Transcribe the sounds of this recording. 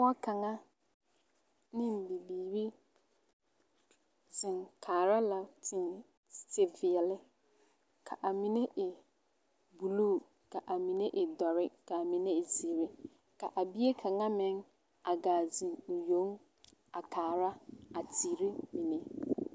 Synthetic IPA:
wa˦kʰa˨ŋa˦ | nɪ̃˦m̩˨bi˨biː˨ɾi˦ | zɪ̃˨ŋkʰaː˨ɾa˦la˨tʰɪ˨ | tʰɪ˨vɪ˨ɛ˨lɪ˦ | kʰa˨ʔa˨mĩ˨ne˦ʔɪ˨ | bu˨luː˦˨ | ka˨ʔa˨mĩ˨nẽ˦ʔɪ˨dɔ˨ɾɪ˦ka˨mĩ˨nẽ˦˨zi˨ɾi˦ | ka˨ʔa˨bi˦e˦kʰã˨ŋã˦mɪ̃˨˦ŋ | a˨ɡaː˨zɪ̃˨ŋʊ˨jo˦ŋ | a˨kʰaː˨ɾa˦a˨tʰi˨ɾi˦mĩ˨ne˦

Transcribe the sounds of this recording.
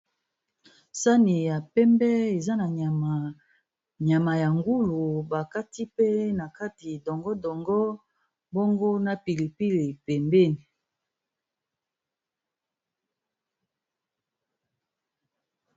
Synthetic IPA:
sa˦ni˨ja˨pɛ˦mbɛ˦e˨za˦na˨ | ɲa˨ma˨ja˨ŋɡu˦lu˨ba˨ka˦ti˦pe˦na˨ka˦ti˨dɔ˨ŋɡɔ˦dɔ˨ŋɡɔ˦ | bo˦ŋɡo˦na˨pi˨li˨pi˦le˨pɛ˨mbe˦ni˨

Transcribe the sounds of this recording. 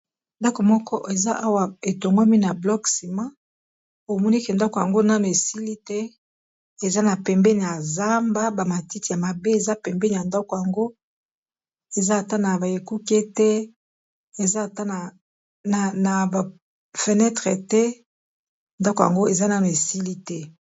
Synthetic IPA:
nda˦ko˨mɔ˦kɔ˦ʔe˨za˦ʔa˦wa˨e˨to˨ŋɡa˦mi˦na˨blɔ˦ksi˨ma˦ | o˨mɔ˦ni˦ke˨nda˦ko˨ja˨ŋɡo˦na˦me˨si˦li˦tɛ˦ | e˨za˦na˨pɛ˨mbɛ˦ni˨ja˨za˦mba˦ba˨ma˨ti˦ti˨ja˨ma˨be˦e˨za˦pɛ˨mbɛ˦ni˨ja˨nda˦kɔ˨ja˨ŋɡo˦ | e˨za˦a˨ta˦na˨ba˨je˨ku˦ke˦tɛ˦ | e˨za˦˨ta˦na˨ | na˨na˨ba˨ | fe˨nɛ˦tʁe˨tɛ˦ | nda˦kɔ˨ja̰˨ŋɡo˦e˨za˦na˦me˨si˦li˦tɛ˦

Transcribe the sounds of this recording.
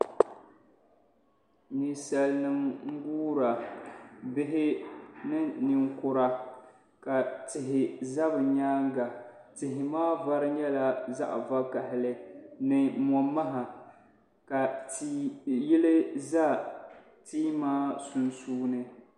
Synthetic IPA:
ni˨sa˨lnɨ˦mŋ̩˦ɡuː˦ɾa˨ | bɪ˦ɦɪ˦nɨ˦ni˨ŋ˦kʊ˨ɾa˨ | ka˨tɪ˨ɦɪ˨za˦bɨ˨ɲaː˦ŋ˦ɡa˨tɪ˨ɦɪ˨maː˦va˦ɾɨ˦ɲɛ˦la˨za̰˦ʔva˦ka˨hɪ˨lɨ˦nɨ˨mɔ˨mːa˦ɦa˨ | ka˨ti˦jɪ˦lɨ˦za˦ | tiː˦maː˦su˨nsuː˦nɨ˦

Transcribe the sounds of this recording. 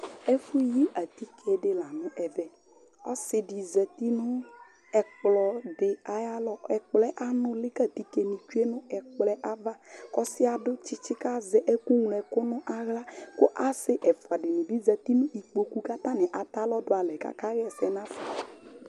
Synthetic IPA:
e˦fu˦ji˦ʔa˨t̪i˦kʰɛ˨ɖɪ˨la˨nʊ̃˦ʔɛ˨vɛ˨ | ɔ˦sɪ˨ɖi˨zɛ˨t̪i˦nʊ̃˦ | ɛ˨k͡plɔ˨ɖɪ˨a˨ja˦lɔ˦ɛ˨k͡plɛ˦ʔa˦nʊ̃˦lɪ˦ka˦t̪i˦ke˨nĩ˨t͡ʃu˦e˦nʊ̃˦ɛ˨k͡plɛ˦ʔa˦va˦kɔ˦sɪ˦a˨ɖʊ˦t͡ʃɪ˦t͡ʃɪ˦ka˦zɛ˦ʔɛ˦ku˦ŋlɛ˨kʊ˦nʊ̃˦ʔa˨ɣla˦kʊ˦ʔa˦sɪ˦ʔɛ˨fa˨ɖɪ˨nũ˨bi˦zɛ˨t̪i˦nʊ̃˦ʔi˨k͡po˨ku˦ka˦t̪ã˦nɛ̃˨ʔa˨t̪a˦lɔ˦dʊ˦a˨lɛ˨ka̰˨ka˦ɣɛ˦sɛ˨nã˦fɔ˨

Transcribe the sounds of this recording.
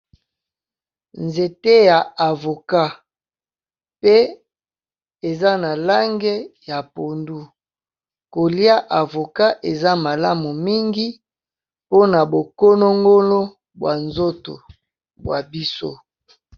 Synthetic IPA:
nze˨te˦ja˨a˨vo˨ka˦ | pe˦ | e˨za˦na˨la˦ŋɡe˦ja˨po˨ndu˦ | ko˨li˦a˦ʔa˨vo˨ka˦ʔe˨za˦ma˨la˦mu˨mi˦ŋɡi˦ | po˦na˨bo˨ko˦no˦ŋɡo˦lo˦ | bwa˨nzo˦to̰˨ | bwa˨bi˦so̰˦

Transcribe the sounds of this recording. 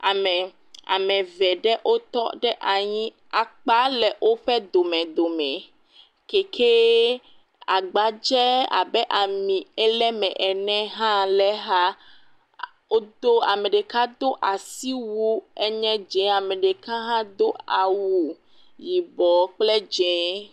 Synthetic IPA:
a˨mɛ˨ | a̰˨mɛ̃˨vɛ˨ɖɛ˦ʔo˦t̪ɔ̰˦ɖɛ˦ʔa˨ɲĩ˦ | a˨k͡pa˦lɛ˨ʔo˦ɸɛ˦d̪o˨mɛ̃˨d̪o˨mɛ̃˨ | ke˨kʰe˦ | a˨ɡ͡ba˨d͡ʒɛ˦a̰˨bɛ˦ʔa˨mĩ˨ɛ˦lɛ˦mɛ̃˨ʔɛ˨nɛ̃˦ɦã˦lɛ˦ɦa˦ | o˦d̪o˦a˨mɛ̃˨ɖɛ˨ka˦d̪o˦ʔa˨si˦wu˦ɛ˦ɲɛ̃˦d͡ʒɛ̃˨˦a˨mɛ̃˨ɖɛ˨kã˦ɦã˦d̪o˦a˨wu˨ | ji˨bɔ˨k͡plɛ˦d͡ʒɛ̃˨˦

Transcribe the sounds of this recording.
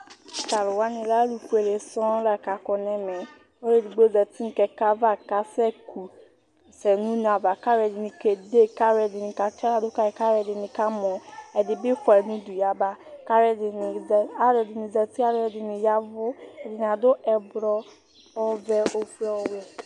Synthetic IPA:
ka˨lʊ˨wa˦nĩ˨la˦lu˨fu˦e˨le˨sɔ̃˦la˨ka˨kɔ˨nɛ˦mɛ˨ | o˦ɾe˦˨di˨ɡ͡bo˦zɛ˨ti˦n˨kɛ˨ka˦va˦ka˨sɛ˦kʰu˨ | sɛ˨nũ˦n˨a˨va˨ka˦ɾɛ˨dɪ˨nĩ˨ke˨de˦ka˦ɾɛ˨di˨ni˨ka˨t͡ʃa˦la˨dʊ˦ka˦˨ka˦ɾɛ˨dɪ˨nĩ˨ka˦mɔ̃˨ɛ˨dɪ˨bɪ˦fɔ˨ɛ˨nũ˦du˨ja˨ba˨ka˦ɾɛ˨dɪ˨n˨a˦ɾɛ˨dɪ˨ni˨zɛ˨ti˦a˦ɾɛ˨dɪ˨ni˨ja˦vʊ˦ɛ˨dɪ˨n˨a˨dʊ˦ɛ˨bɾɔ˦ | ɔ˦vɛ˦o˦fi˦ɔ˦wɛ˨

